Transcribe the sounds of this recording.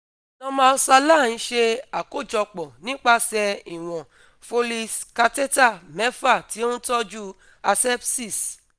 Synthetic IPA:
nã˧mãː˦˧˦sa˧lã˦˨˦ʃe˧a˨ko˦˨d͡ʒɔ˧k͡pɔ˨nĩ˦k͡pa˦sɛ˧i˨w̃ɔ̃˨ | fo˧li˧ska˧te˦ta˦˨mɛ˨˦fa˦˨ti˨˦o˦n̩˦tɔ˦d͡ʒu˦ | a˧sɛ˦bsi˦˨s

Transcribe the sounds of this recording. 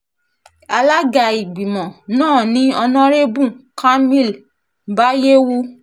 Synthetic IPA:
a˧la˦ɡa˧i˨ɡ͡bi˨mɔ̃˨nãː˦˨nĩ˦ɔ˧nɔ̃˦ɾe˦bũ˦˨ka˦mĩ˦˨l | ba˦je˦wu˦

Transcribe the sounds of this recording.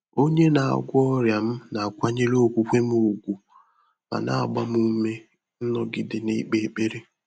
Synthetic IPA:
o˦ɲe˦na˨a̰˨ɡʷʊ˦ɔ˦ɾja˨m̩˦na˨kʷa˦ɲe˦lo˦˨kʷu˨kʷe˦m˦o˨ɡʷu˨ | ba̰˨na̰˦a˨ɡ͡ba˦m˦u˦me˦ | n̩˦nɔ˦ɡɪ˦dɪ˨ne˦i˦k͡pe˨˦˨k͡pe˦ɾe˦

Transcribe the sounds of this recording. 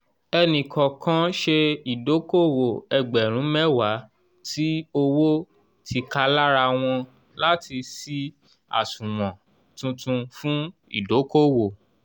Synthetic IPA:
ɛ˧nĩ˨kɔ̃˨kã˦ʃe˧i˨do˨˦ko˦wo˨ɛ˧ɡ͡bɛ˨ɾ̃ũ˨˦mɛ˦wa˨˦ | ti˦o˧wo˦ | tʰi˧ka˦la˦ɾa˧w̃ɔ̃˧ | la˦ti˧si˦ | a̰˨sũ˨mɔ̃˨ | tũ˧tũ˧fũ˦ḭ˨do˨˦ko˦˨wo˨

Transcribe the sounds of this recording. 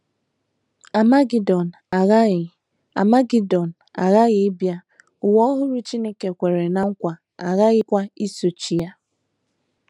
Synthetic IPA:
a˨ma˦ɡi˨dɔ˨n˨ɣ | a˨ma˦ɡi˦dɔ˨n̩˨a˨ɣa˦ɣɪ˨ɪ˦bja˦ | ʊ˨wɔ˦ɔ˦ɦʊ˦ɾu˦t͡ʃi˦ne˦ke˨kʷe˨ɾe˨na˨ŋ̩˦kʷa˨ | a˨ɣa˦ɣɪ˦kʷa˦i˦so˨t͡ʃi˨ja˦

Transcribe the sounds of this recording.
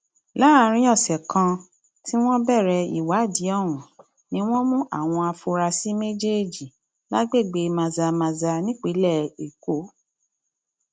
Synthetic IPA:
la˦˧ɾ̃ĩ˦ɔ˦˨sɛ˨kã˧ | ti˦w̃ɔ̃˦bɛ˦˨ɾɛ˧ḭ˨wa˨˦˨di˨˦ɔ˦˨ɾ̃ũ˨ | nĩ˦w̃ɔ̃˦mũ˦ʔa̰˦˨w̃ɔ̃˧a˧fu˧ɾa˧si˦me˦d͡ʒe˦e˦˨d͡ʒi˨ | la˦ɡ͡be˦˨ɡ͡be˧mã˧za˧mã˧za˧nĩ˦k͡pi˨˦lɛ˦˨e˨ko˨˦

